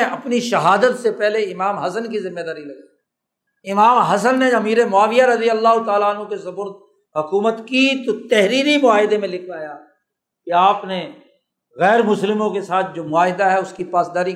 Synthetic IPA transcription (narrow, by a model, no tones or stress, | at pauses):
ɐpniʃɐɦaːd̪ət̪sepɛɦleɪmaːmɦɐsənk̬izɪ̃mːed̪aːɾilɐɡai | ɪmaːmɦɐsənːeɐmiːɾemʊaːʋijaɾɐd̪ijəlːaːɦʊt̪aːlaənɦõkesɐbʊɾt̪̚ | ɦʊkuːmət̪kit̪ot̪ɛɦɾiːɾimʊaːɦɪd̪emẽlɪkʰʋaːjaː | keaːpne | ɣɛːɾmʊslɪmõkesaːt̪̚ʰd͡ʒoːmʊaːɦɪd̪aɦɛʊskipaːsd̪aːɾi